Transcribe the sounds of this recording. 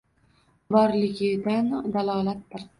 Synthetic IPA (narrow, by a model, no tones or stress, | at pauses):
bɒɾlɪɡʲɪd̪and̪alˠɒːlat̪̚b̪ɪɾ